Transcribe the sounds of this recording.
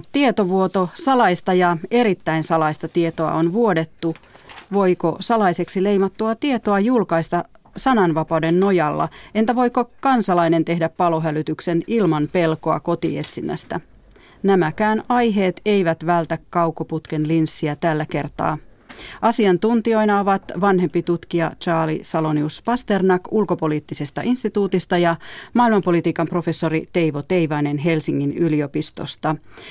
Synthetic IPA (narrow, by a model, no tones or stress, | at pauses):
t̪t̪iet̪oʋuot̪osɑlɑist̪ɑjɑe̞ɾit̪ːæinsɑlɑist̪ɑt̪iet̪oɑ̰onʋuode̞t̪ːuʋo̞ikosɑlɑise̞ksile̞jmɑt̪ːuɑt̪ie̞t̪oɑjulkɑist̪ɑ | sɑnɑnʋɑpɑwdenːojɑlːɑ̰ent̪æʋo̞ijkokɑnsɑlɑine̞nt̪e̞ɦdæppɑloɦælyt̪ykse̞nilmɑnpe̞lkoɑ̰ko̞t̪ḭe̞t̪sinːæ̰st̪æ | næmækæːnɑjɦe̞ːt̪e̞jʋæt̪ʋælt̪ækːɑwkoput̪k̟e̞nlinsːiæt̪ælːæke̞rt̪ɑ̰ː | ʔɑsiɑnt̪unt̪io̞jnɑoʋɑt̪ʋɑnɦe̞mpit̪ut̪kiɑt͡ʃɑːlḭsɑlo̞niuspɑst̪e̞rnɑkulko̞po̞liːt̪ːisest̪ɑʔinst̪it̪uːt̪ist̪ɑjɑmɑːilmɑmpo̞lit̪iːkɑmpro̞fe̞sːo̞ɾit̪e̞jʋot̪e̞iʋɑjnenɦe̞lsiŋːinylio̞pist̪o̞̰st̪ɑ